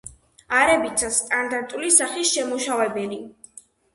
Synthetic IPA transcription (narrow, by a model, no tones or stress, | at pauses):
aɾɛbit̪sʰast̪ʼand̪aɾt̪ʼulisaχisʃɛmuʃavɛbɛli